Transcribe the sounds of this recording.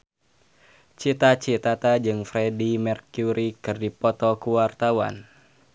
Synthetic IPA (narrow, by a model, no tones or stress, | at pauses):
t͡ʃit̪at͡ʃit̪at̪ad͡ʒɨŋfɾɛdimɛrkjuɾikɨrdipɔt̪ɔkuwart̪awa̰n